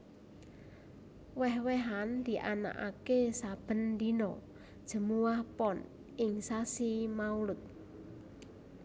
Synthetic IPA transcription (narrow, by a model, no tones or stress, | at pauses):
wɛɦwɛɦand̪̥i̤ʔana̰ʔa̰kesab̥ə̤nd̪inɔ | d̥ʒ̥ə̤muwahpɔn | ɪŋsasimaulʊt̪̚